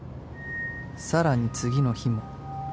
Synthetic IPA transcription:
saɾaɲ̟it͡sɨɡʲino̞çimo̞

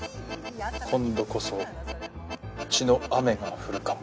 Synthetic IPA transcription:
kʰõ̞nd̪o̞ko̞so̞ | ɯt͡ɕino̞ame̞ŋaɸɯ̟ɾɯ̟kamo

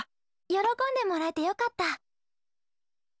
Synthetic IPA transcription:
jo̞ɾo̞kõ̞nd̪e̞mo̞ɾaet̪e̞jo̞kat̪ːa

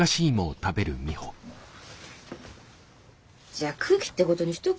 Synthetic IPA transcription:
aɕiːmoːt̪abe̞ɾɯ̟̰mʲiho̞ | d͡ʑaːkʰɯkʲi̥t̪ːeko̞t̪o̞ɲ̟içi̥t̪o

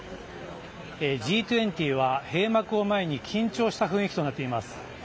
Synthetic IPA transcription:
ed͡ʑiːt̪ɯẽ̞nt̪ʲiːβ̞ahe̞ːmakɯ̟o̞mae̞ɲ̟ikʲʰĩɲt͡ɕo̞ːɕi̥t̪aɸɯ̟̃ikʲit̪o̞nat̪ːe̞imasɨ̥

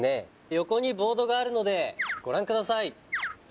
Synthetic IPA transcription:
ne̞ | jo̞ko̞ɲ̟ibo̞ːd̪o̞ɡaːɾɯ̟no̞d̪e̞ɡ̥o̞ɾãŋkɯ̟d̪asai

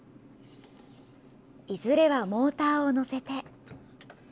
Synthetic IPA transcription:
izɨɾe̞βamo̞ːt̪aːono̞se̞t̪e̞

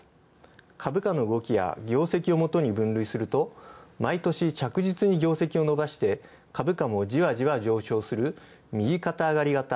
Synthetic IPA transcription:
kʰabɯ̟kano̞ɯɡo̞kʲija̰ɡʲo̞ːse̞kʲio̞mo̞t̪o̞ɲ̟ibɯ̟̃nɾɯ̟isɨɾɯ̟t̪o̞mait̪o̞ɕit͡ɕakɯ̟ʑit͡sɨɲ̟iɡʲo̞ːse̞kʲio̞no̞baɕi̥t̪e̞ | kʰabɯ̟kamo̞d͡ʑiβaʑiβad͡ʑo̞ːɕo̞ːsɨɾɯ̟ | mʲiɡʲikat̪aːɡaɾʲiɡat̪a

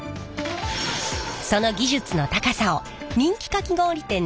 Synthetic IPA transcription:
so̞no̞ɡʲiʑɨt͡sɨnot̪akasao | ɲ̟ĩŋkʲi̥kakʲiɡõ̞ːɾʲit̪ẽ̞n

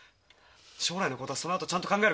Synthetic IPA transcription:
ɕo̞ːɾainoko̞t̪osonoat̪ot͡ɕãnt̪okãŋɡaeɾ

